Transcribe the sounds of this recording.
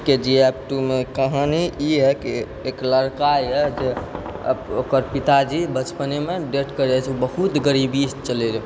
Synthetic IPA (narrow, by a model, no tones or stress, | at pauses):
ked͡ʒiɛp̚ʈumekəɦaniiɦɛki | ekləɾkaiɛd͡ʒḛ | okəɾpit̪ad͡ʒibət͡ʃpənemeɖeʈkəɾet͡ʃʰubəɦut̪ɡəɾibist͡ʃəleɾi